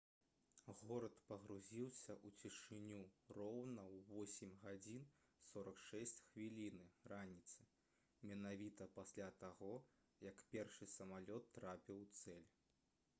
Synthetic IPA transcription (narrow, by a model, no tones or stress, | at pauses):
ɣɔɾɐt̪pɐɣɾuzʲiwsʲɐʔut͡sʲiʂɨnʲurɔwnɐwvɔsʲɪmʲɣad͡zʲin | sɔɾɐkʂɛsʲt͡sʲxvʲilʲinɨranʲit̪sɨ̥ | mʲɛnavʲit̪ɐpasʲlʲat̪aɣɔ | jɐkpʲɛrʂɨsɐmalʲɔt̪ːɾapʲiwt̪sɛlʲ